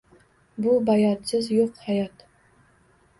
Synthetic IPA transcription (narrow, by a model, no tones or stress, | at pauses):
bʊbajɒt̪sɪzjoqhajɒt̪